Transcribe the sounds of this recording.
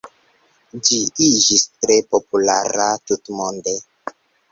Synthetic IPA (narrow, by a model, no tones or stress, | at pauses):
d͡ʒiid͡ʒistɾepopula̰ɾatutmonde